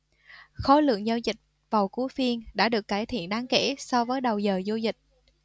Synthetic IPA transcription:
xɔ˨˦lɨ̰˧˨əŋzaː˧wzï˨˩k̚ | vaː˨˩wku˨˦fi˧ənɗa̰ː˧˥ɗɨ˨˩əkːaː˧˩jt̪ʰḭ˧˨ənɗaː˨˧ŋkḛ˧˥sɔ˧vəː˨˦jɗə˨˩wzəː˨˩zu˧zï˨˩k̚

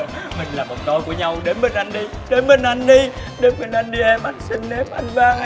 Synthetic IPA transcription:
mï˨˩ŋ̟laː˨˩ɔ˨˩no˧jku˧˩˦əɲa˧wɗe˨˦nmi˨˩nʔa˧jŋ̟ɗi˧ɗe˨˦nmə˨˩nʔa˧jŋ̟ɗi˧ | ɗe˨˦nmɨ˨˩nʔa˧jn̟ɗi˧ʔɛ˧mɓa˨˩nsi˧ŋ̟ne˨˦m̚ʔa˧jŋɓaː˧

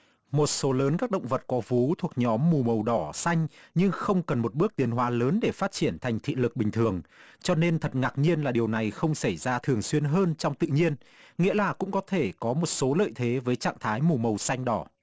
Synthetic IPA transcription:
mo˨˩t̚so˨˦ləː˨˦nkaː˦˥k̚ɗə̰˧˨wŋ͡mvə˨˩t̚kɔ˨˦vu˨˦t̪ʰu˨˩ək̚ɲɔ˨˦mːu˨˩mə˨˩wɗɔ˧˩sa˧jŋ̟ɲɨ˧ŋxə˧wŋ͡mkə˨˩nmo˨˩t̚ɓɨ˦˥ək̚t̪i˨˦ənɦwaː˨˦ləː˨˦nɗe˧˩faː˦˥t̚t͡ɕi˧˩ənt̪ʰa˨˩jŋ̟t̪ʰḭ˧˨lɨ˨˩k̚ɓï˨˩ŋ̟t̪ʰɨ˨˩əŋt͡ɕɔ˧ne˧nt̪ʰə˨˩t̚ŋaː˨˩k̚ɲi˧ənlaː˨˩ɗi˨˩əwna˨˩jxə˧wŋ͡msa˧˩jzaː˧t̪ʰɨ˨˩əŋswi˧ənɦəː˧nt͡ɕɔ˧wŋ͡mt̪ɨ̰˧˨ɲi˧ən | ŋḭ˧˥əlaː˨˩kʊ̰˧˥ŋ͡mkɔ˨˦t̪ʰe˧˩kɔ˨˦mo˨˩t̚so˨˦lə̰ː˧˨jt̪ʰe˨˦vəː˨˦jt͡ɕa̰ː˧˨ŋt̪ʰaː˨˦jmu˨˩mə˨˩wsa˧jŋ̟ɗɔ˨˦

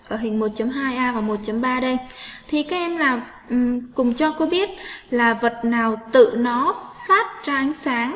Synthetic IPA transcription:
ʔəː˧˩ɦï˨˩ŋ̟mo˨˩t̚t͡ɕə˨˦mɦaː˧jʔaː˧vaː˨˩mo˨˩t̚t͡ɕə˨˦mɓaː˧ɗə˧jt̪ʰi˨˩kaː˨˥kʔɛ˧mlaː˨˩ | ʔkʊ˨˩ŋ͡mt͡ɕɔ˧ko˧˦ɓi˦˥ət̚laː˨˩və˨˩t̚naː˨˩wt̪ɨ̰˧˨nɔ˨˦faː˦˥t̚t͡ɕɔ˧ʔa˨˦ŋ̟saː˨˦ŋ

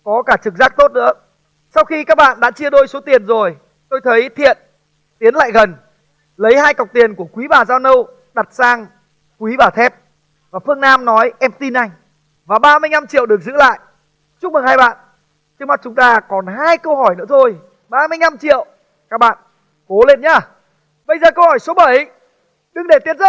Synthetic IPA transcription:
kɔ˨˦kaː˧˩t͡ɕɨ˨˩k̚zaː˦˥k̚t̪o˦˥t̚nɨ̰˧˥ə | sa˧wxi˧kaː˦˥k̚ɓa̰ː˧˨nɗa̰ː˧˥t͡ɕi˧əɗo˧jso˨˦t̪i˨˩ənzo˨˩j | t̪o˧jt̪ʰə˨˦jt̪ʰḭ˧˨ən | t̪i˨˦ənla̰ː˧˨jɣə˨˩n | lə˨˦jhaː˧jka˨˩wk͡p̚t̪i˨˩ənku˧˩əkwi˨˦ɓaː˨˩zaː˧wnə˧w | ɗa˨˩t̚saː˧ŋ | kwi˨˦ɓaː˨˩t̪ʰɛ˦˥p̚ | vaː˨˩fɨ˧əŋnaː˧mnɔ˨˦jʔɛ˧mt̪i˧nʔa˧jŋ̟ | vaː˨˩ɓaː˧mɨ˧əjna˧mt͡ɕḭ˧˨əwɗɨ˨˩ək̚zɨ̰˧˥la̰ː˧˨jʔ | t͡ɕʊ˦˥mɨ˨˩haː˧jɓa̰ː˧˨n | t͡ɕɨ˧˥ŋma˨˩t̚t͡ɕʊ˨˦ŋ͡mt̪aː˧kɔ˨˩nɦaː˧jkə˧whɔ˧˩jnɨ̰˧˥ət̪ʰo˧j | ɓaː˧mɨ˧əjɲa˧mt͡ɕḭ˧˨əw | kaː˦˥k̚ɓa̰ː˧˨n | ko˨˦le˧nɲaː˧˩ | ɓə˧jzəː˨˩kə˧whɔ˧˩jso˨˦ɓə˧˩j | ɗɨ˨˧ŋɗe˧˩t̪i˨˦ənzə˦˥

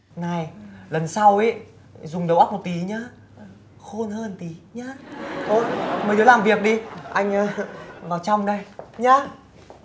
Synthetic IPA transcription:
na˨˧˩jlə˨˩nsa˧wi˨˦ | zʊ˨˩ŋ͡mɗə˨˦wʔa˦˥mo˨˩t̚t̪i˨˦ɲaː˨˧˦ | xo˧nhəː˧nt̪i˨˦ɲaː˨˦ʔ̪o˧˩məː˨˩jzoː˨˦laː˨˩mvi˨˩ək̚ɗi˧ʔa˧jŋ̟aː˧vaː˨˩wt͡ɕɔ˧wŋ͡mɗə˧jɲaː˨˦

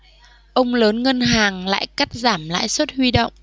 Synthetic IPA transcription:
ʔə˧wŋ͡mləː˨˦nŋə˧nɦaː˨˩ŋla̰ː˧˨jka˦˥t̚zaː˧˩mla̰ː˧˨jswə˦˥t̚hwi˧ɗə̰˧˨wŋ͡m

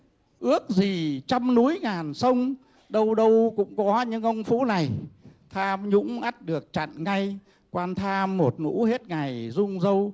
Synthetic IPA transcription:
ʔɨ˦˥ək̚zi˨˩t͡ɕa˧mnu˨˦jŋaː˨˩nsə˧wŋ͡m | ɗə˧wɗə˧wkʊ̰˧˥ŋ͡mkɔ˨˦ɲɨ̰˧˥ŋʔə˧wŋ͡mfṵ˧˥na˨˩jt̪ʰaː˧mɲʊ̰˧˥ŋ͡mʔa˦˥t̚ɗɨ˨˩ək̚t͡ɕa̰˧˨nŋa˧j | kwaː˧nt̪ʰaː˧mːo˨˩t̚nṵ˧˥he˦˥t̚ŋa˨˩jzʊ˧ŋ͡mzə˧w

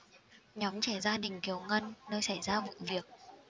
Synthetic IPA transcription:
ɲɔ˨˦wmt͡ɕɛ˧˩zaː˧ɗï˨˩ŋ̟ki˨˦əwŋə˧nːəː˧jsa˧˩jzaː˧vṵ˧˨vi˨˩ək̚

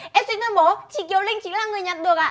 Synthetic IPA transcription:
ʔɛ˧˥swnt̪ʰə˧mo˨˦t͡ɕḭ˧˨ki˨˩˦əwlï˧ŋ̟t͡ɕi˨˧˦laː˧˩ŋɨ˨˩əjɲaː˨˩t̚ɗɨ˨˩əkaː˧˨

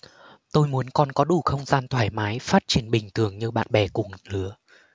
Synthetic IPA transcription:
t̪o˧jmu˨˦ənkɔ˧nkɔ˨˦ɗu˧˩xə˧wŋ͡mzaː˧nt̪ʰwaː˧˩jmaː˨˦jfaː˦˥t̚t͡ɕi˧˩ənɓï˨˩ŋ̟t̪ɨ˧˩əŋɲɨ˧ɓa̰ː˧˨nɓɛ˧˩kʊ˨˩ŋlɨ˨˦ə

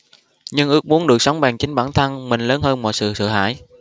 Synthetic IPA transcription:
ɲɨ˧ŋʔɨ˨˦˥ək̚mu˨˦ənɗɨ˨˩ək̚sa˨˦wŋ͡mɓaː˨˩ŋt͡ɕï˨˦ŋ̟ɓaː˧˩nt̪ʰa˧nmï˨˩ŋ̟ləː˨˦nhəː˧nmɔ̰˧˨jsɨ̰˧˨sə̰˧˩ɦa̰ː˧˥˨j

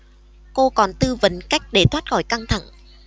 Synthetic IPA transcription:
ko˧kɔ˨˩nt̪ɨ˧və̰˧˦nka˦˥jk̟̚ɗe˧˩t̪ʰwaː˦˥t̚xɔ˧˩jka˧ŋt̪ʰa̰˧˩ŋ

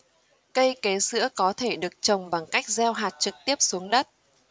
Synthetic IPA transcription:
kə˧jke˨˦sɨ̰˧˥əkɔ˨˦t̪ʰe˧˩ɗɨ˨˩ək̚t͡ɕə˨˩wŋ͡mɓa˨˩ŋka˦˥jk̚zɛ˧wɦaː˨˩t̚t͡ɕɨ˨˩k̚t̪i˦˥əp̚su˨˦əŋɗə˦˥t̚

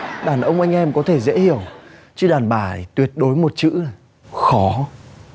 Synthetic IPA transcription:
ɗaː˧˩nʔə˧wŋ͡mʔa˧jŋ̟ʔɛ˧mkɔ˨˦t̪ʰe˧˩zḛ˧˥hi˧˩əw | t͡ɕɨ˧ɗaː˨˩nɓaː˧˩jt̪wi˨˩ət̚ɗo˨˦jmo˨˩t̚t͡ɕɨ̰˧˥ | xɔ˨˦

